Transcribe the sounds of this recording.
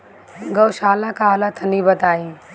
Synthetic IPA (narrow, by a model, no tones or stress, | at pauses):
ɡɐwʃaːlãkaːlat̪ʰɐnibɐt̪aːi